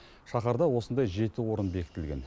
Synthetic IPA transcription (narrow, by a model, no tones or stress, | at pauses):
ʃɑχɑɾd̪ɑwo̞sənd̪ɑjʒe̞t̪ɪwo̞ɾənbe̞kʲɪ̥t̪ɪlɡʲe̞̰n